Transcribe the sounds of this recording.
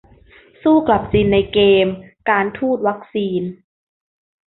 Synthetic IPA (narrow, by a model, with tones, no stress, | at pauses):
suː˥˩kla˨˩p̚siː˧nːa˧jkeː˧mkaː˧nt̪ʰuː˥˩t̪̚wa˦˥k̚siː˧n